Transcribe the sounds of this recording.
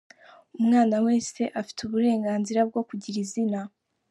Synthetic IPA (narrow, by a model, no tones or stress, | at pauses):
umŋaːnawe̞ːse̞ʔafi̥tuβuɾe̞ːŋɡaːnziɾab̚ɡo̞kuɟiɾizina